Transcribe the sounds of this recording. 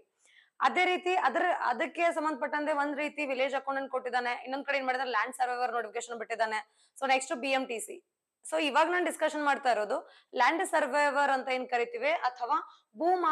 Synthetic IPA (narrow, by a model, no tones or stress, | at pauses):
ɐ̰d̪e̞ːɾiːt̪iɐd̪ɐɾɐ̰d̪ɐkːe̞sɐmbɐnd̪ɐpɐʈːɐnt̪eʋond̪ɾiːt̪iʋile̞ːd͡ʒaːkːoɳɖɐn̚koʈːid̪aːneinːond̪ukɐɽeeːnmaːɽid̪anelaːɳɖsɐɾʋɐjʋɐɾnoːʈifʰikeʃɐnbiʈːid̪aːne | soːneksʈubiemʈiːsḭ | soːiʋaːɡɐnaːnɖiskɐʂɐnmaːɖt̪aːjɾoːd̪u | laːɳɖsɐɾʋeʋɐɾɐnt̪ɐeːnkɐɾit̪iʋeʔɐt̪ʰɐʋaː | buːma